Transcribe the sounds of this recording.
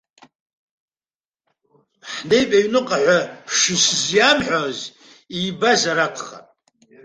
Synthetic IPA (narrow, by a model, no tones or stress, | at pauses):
ħnejpʼaɥnɨqʼaħʷaʂɪsɨzjamħʷᶣoz | ibazaɾakʰʼχa̰tʼ